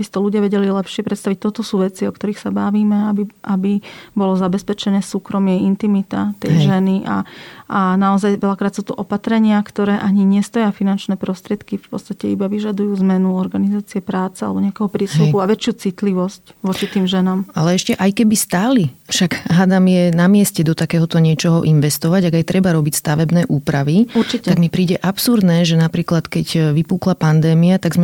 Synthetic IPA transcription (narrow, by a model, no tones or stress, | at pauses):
bisḁt̪ɔluɟɪaʋɛɟɛlilɛpʃɪɛpɾɛt̪st̪aʋic̚t̪ɔt̪ɔsuːʋɛt͡siɔkt̪ɔɾiːxsabaʋiːmɛabiʔabibɔlɔzabɛspɛt͡ʃɛnɛːsuːkɾɔmɪɛint̪imit̪at̪ɛjʒɛniʔa̰anaɔzajʋɛlakɾaːt̪suːt̪ɔʔɔpat̪ɾɛɲɪakt̪ɔɾɛːʔaɲiɲɛst̪ɔjafinant͡ʃnɛːpɾɔst̪ɾɪɛt̪kifpɔ̰tt͡sst̪acɛibaʋiʒad̪ujuːzmɛnuɔɾɡanizaːt͡siɛpɾaːt͡sɛa̰lɛbɔɲɛakɛɦɔpɾɪɛst̪upuaʋɛt͡ʃɪjuːt͡sit̪liʋɔscʋɔt͡ʃit̪iːmʒɛnaːmalɛɛʃcɛʔajkɛbist̪aːlifʃaɡɦad̪amjɛnamɪɛscɛd̪ɔt̪akɛːɦɔt̪ɔɲɪɛt͡ʃɔɦɔ̰ʔinʋɛst̪ɔʋaɟaɡajt̪ɾɛbaɾɔbicst̪aʋɛbnɛːʔuːpɾaʋiuɾt͡ʃict̪aɡmipɾiːɟɛʔapsuɾd̪nɛːʒɛnapɾiːklat̪kɛɟʋipuːklapand̪ɛːmiat̪aɡzmɛ